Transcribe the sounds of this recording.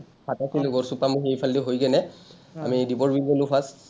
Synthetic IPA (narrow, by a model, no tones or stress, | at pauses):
pʰatakiluɡɔɹsupamuxejpʰaldiɦojɡɛnɛ | a̰midibɔɹbilɡelupʰas